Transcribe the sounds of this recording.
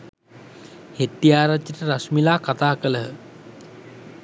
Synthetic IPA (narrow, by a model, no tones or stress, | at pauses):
het̪ːijaːɾat̪jəʈəɾasmilaːkat̪aːkələɦə